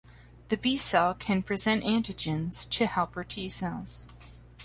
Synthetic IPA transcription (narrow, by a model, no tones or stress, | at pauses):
ðɨbisɛlˠkʰɨ̃npʰɹ̥izɛ̃ntæ̃ntɨd͡ʒɨ̃nz̥tʰɨhɛlˠpə˞tʰisɛlˠz̥